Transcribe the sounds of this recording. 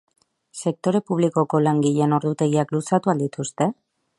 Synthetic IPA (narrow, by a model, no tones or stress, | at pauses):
se̞k̚t̪o̞ɾe̞puβ̞liko̞ko̞laŋɡiʎe̞no̞ɾðut̪e̞ɣiaklusat̪uald̪it̪ust̪e̞